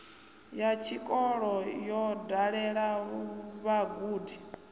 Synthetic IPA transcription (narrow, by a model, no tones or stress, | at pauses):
jat͡ʃʰikʼɔɺɔjɔdaɺɛɺa | βaɡuːdi